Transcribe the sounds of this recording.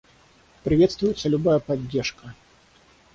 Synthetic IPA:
pɾʲɪvʲet̪st̪vʊjɪt̪səlʲʊbajəpɐdʲːerʂkə

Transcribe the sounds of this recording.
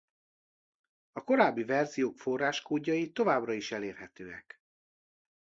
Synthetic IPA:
ɒko̞ɾaːbːivɛrzijoːkfo̞rːaːʃkoːɟːɒjit̪ːo̞vaːbrɒiʃɛleːrɦɛt̪øːɛ̰k

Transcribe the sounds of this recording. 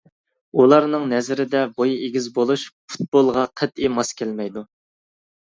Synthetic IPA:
ulˠɑɾnɨŋnɛzɾɪd̪ɛbojeɡʲizbolˠuʃfu̥t̪̚bolˠʁɑqʰæt̪imɑskʲʰælmɛjd̪u

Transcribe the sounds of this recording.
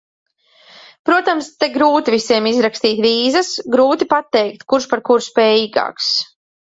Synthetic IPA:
pɾuɔt̪amst̪eɡɾuːt̪ivisiɛmizɾakst̪iːt̪viːzəsɡɾuːt̪ipat̪ːɛjkt̪kuɾʃpaɾkuɾspɛːjiːɡa̰ːks

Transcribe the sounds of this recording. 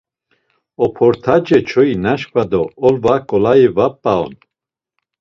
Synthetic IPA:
ɔpʰɔɾt̪ʰad͡ʒɛt͡ʃʰɔinaʃkʼvad̪ɔɔlvakʼɔlaivapʼːaɔ̰n

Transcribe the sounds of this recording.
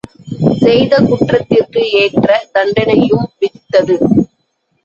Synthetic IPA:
sɛjðɐkʊʈrɐt̪ːɪrkɯeːʈrɐd̪ɐɳɖɐnɐjɯmʋɪðɪt̪ːɐðɯ

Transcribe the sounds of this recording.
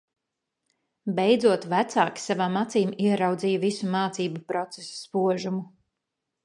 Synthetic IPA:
bɛjd̪zuɔt̪væt̪saːki̥savaːmat̪siːmiɛɾawd̪ziːjuvisumaːt̪siːbupɾɔt̪sesspuɔʒumu

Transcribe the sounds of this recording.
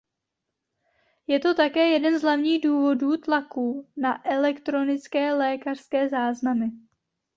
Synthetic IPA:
jɛt̪o̞t̪akɛːjɛdɛnzɦlavɲiːɣduːvo̞duːt̪lakuːnaʔɛlɛkt̪ɾo̞nɪt͡skɛːlɛːkar̥skɛːzaːznamɪ

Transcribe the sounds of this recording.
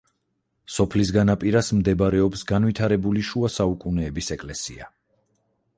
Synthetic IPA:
sɔpʰlis̬ɡanapʼiɾasmd̪ɛbɾɛɔpsɡanvit̪ʰaɾɛbuliʃuasaukʼunɛːbisɛkʼlɛsḭa

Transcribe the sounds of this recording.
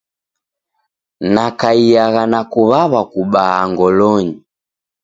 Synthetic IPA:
nakaijaɣanakuβaβakuɓaːŋɡɔlɔɲi

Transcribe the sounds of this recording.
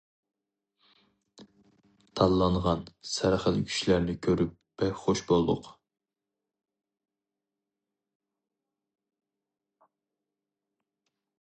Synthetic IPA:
t̪ʰɑlˠːɑɴʁɑnsæɾχəlkʲʰy̥ʃilæɾnɪkʲʰøɾyp̚v̥ɛχoʃbolˠd̪ʊ̰q

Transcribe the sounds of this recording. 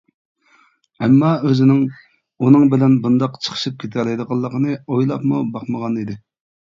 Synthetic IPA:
ɛmːɑøzɪnɪŋ | unɨŋbɪlɛnbund̪ɑqt͡ʃʰə̥χʰə̥ʃɨp̚kʲʰet̪ʰæɾɛd̪əʁɑlˠːəqənɨojlˠɑpmubɑχməʁɑnid̪ɪ

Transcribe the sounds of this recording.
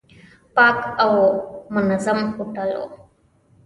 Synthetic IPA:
paːkawmʊnazəmhuʈalo̰

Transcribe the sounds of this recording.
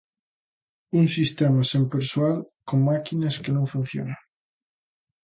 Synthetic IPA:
unsist̪emasempeɾswalkoŋmakinaskenõɱfun̟θjo̰na

